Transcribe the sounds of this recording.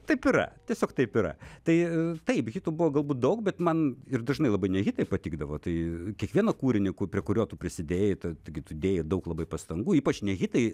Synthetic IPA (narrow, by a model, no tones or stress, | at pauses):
t̪ɐɪpɪɾɐ̰t̪ʲiɛsʲoːkt̪ɐɪpɪɾɐ̰t̪ɐɪt̪ɐɪpɣʲit̪uːbʊʋoːɡɐlˠbuːt̪̚d̪ɐʊkbʲɛt̪mɐnɪrd̪ɐʒnɐɪlˠɐbɐɪnʲɛɣʲɪt̪ɐɪpɐt̪ʲiːɡd̪ɐʋoːt̪ɐɪkʲiɛkʋʲiɛnɐkuːɾʲɪnʲɪkʊpʲɾʲiɛkʊɾʲuːt̪uːpʲɾʲɪsʲɪd̪ʲeːjɛt̪ɐt̪ɐɪɡʲɪt̪ud̪ʲeːjɛd̪ɐʊklˠɐbɐɪpɐst̪ɐŋɡuːiːpɐt͡ʃnʲɛɣʲɪt̪ɐɪ